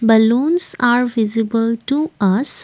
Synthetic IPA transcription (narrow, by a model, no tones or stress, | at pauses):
bəlũːnsaːɾʋɪzɪbəlʈuʔʌs